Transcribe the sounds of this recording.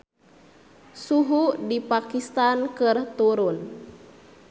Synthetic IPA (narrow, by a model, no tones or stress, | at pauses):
suɦudipakist̪ankɨrt̪uɾun